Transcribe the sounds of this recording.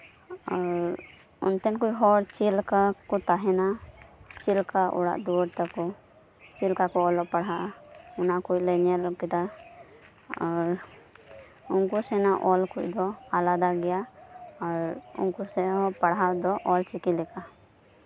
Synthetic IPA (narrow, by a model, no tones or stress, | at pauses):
aɾ | ɔ̰nt̪ɛnkujɦɔɾt͡ʃilkakɔt̪aɦɛna | t͡ʃilkaʔɔ̰ɽa̰ʔd̪uɾt̪akɔ | t͡ʃilkakɔɔlɔpaɽɦaʔunakujlɛɲɛlkɛt̪a | aɾ | unkusɛnaʔɔlkuc̚d̪ɔalad̪aɡɛjaaɾṵnkusɛɦɔpaɽɦaʔd̪ɔʔɔlt͡ʃikilɛka